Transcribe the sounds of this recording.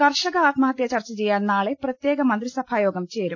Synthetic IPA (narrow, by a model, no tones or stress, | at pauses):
kɐrʂɐɣɐaːt̪mɐɦɐt̪jɐt͡ɕɐrt͡ɕːɐt͡ɕejːaːnːaːɭeprɐt̪jeːɡɐmɐnd̪risɐbʰʱaːjoːɡɐmt͡ɕe̞ːɾum